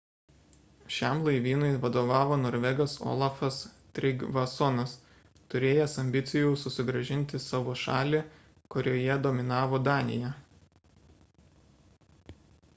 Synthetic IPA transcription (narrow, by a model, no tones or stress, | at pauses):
ʃʲɛmlˠɐɪʋʲiːnʊɪʋɐd̪oːʋɑːʋoːnoːɾʲʋʲɛɡɐso̰ːlˠɑfɐs | t̪ʲɾʲɪɡʋɐsɔnɐs | t̪ʊɾʲeːjɛsɐmʲbʲɪt̪sʲɪjʊsʊsʲɪɡɾɐʒʲɪnʲˑt̪ʲɪsɑːʋoːʃɑ̰ːlʲeː | kʊɾʲoːjɛd̪omʲɪnɑːʋoːd̪ɑːnʲɪ̰jɛ